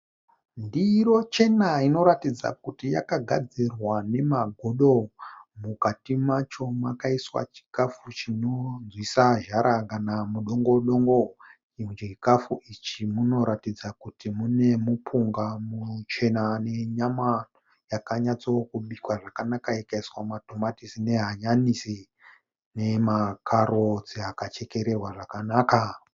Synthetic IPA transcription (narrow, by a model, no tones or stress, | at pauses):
ndiro̞t͡ʃe̞naino̞ɾatid͡za̰kutija̰kaɡʱad͡zirwane̞maɡʱoɗo̞mukatimat͡ʃo̞makaiswa̰t͡ʃi̥kafut͡ʃino̞d͡zwisaʒaɾakanamuɗoŋɡo̞ɗo̞ŋɡo | it͡ʃit͡ʃikafuʔit͡ʃimuno̞ɾatid͡zakutʰimunemupʰuŋɡamut͡ʃe̞nane̞ɲamano | jakaɲat͡sookuɓikwaʐakanakajekaiswamato̞matisine̞ɦaɲanisi | ne̞makʰaɾo̞d͡ziakat͡ʃe̞ke̞ɾe̞rwaʐakanaːka